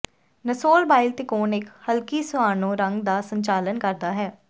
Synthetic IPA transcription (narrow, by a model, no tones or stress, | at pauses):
nəsoːlbaːɪlt̪eːkoːnɪkhəlkiːsʊaːnõːɾəŋɡd̪aːsəɲt͡ʃaːlənkəɾd̪aːɦɛː